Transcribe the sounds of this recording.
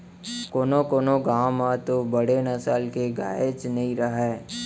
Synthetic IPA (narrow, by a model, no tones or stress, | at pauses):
koːnokoːnoɡaːmãt̪obəɽenɐsaːlkeɡa̰ːet͡ʃnɐɦĩɾɐɦɛː